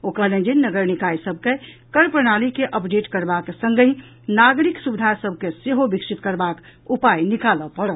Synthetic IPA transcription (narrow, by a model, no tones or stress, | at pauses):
okəlẽd͡ʒinːəɡəɾnikaisəbʱke | kəɾpɾənalikeʔəpɖeʈkəɾbaksə̃ŋɡəi | naɡɾiksubid̪ʱasəb̚ʱkeseɦobiksit̪̚kəɾbakupajnikaləpəɽət̪